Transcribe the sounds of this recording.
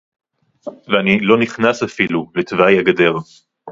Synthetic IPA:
veanilo̞niχnasafilulet̪vajaɡade̞ʁ

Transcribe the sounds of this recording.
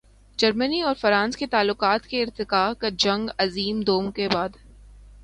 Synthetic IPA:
d͡ʒɐɾməniɔːɾfɐɾãːnsket̪aːlːʊqaːt̪keɪɾt̪ɪkaːkad͡ʒɐ̃ŋɡɐziːmd̪oːmkebaːd̪

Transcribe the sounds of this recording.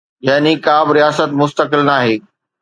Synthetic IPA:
jaːnikaːbɪɾijaːsət̪mʊst̪əkɪlnaːɦeː

